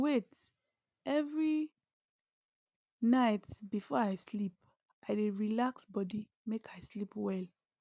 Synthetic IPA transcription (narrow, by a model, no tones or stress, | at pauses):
wet | ɛvɹi | naɪtbifɔaɪslip̚ | ʔaɪdeɹilaksbɔdi | mekʰaɪslipwɛl